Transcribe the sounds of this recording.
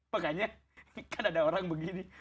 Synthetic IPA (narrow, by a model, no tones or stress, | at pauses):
makaɲa | kanadaoɾaŋbəɡini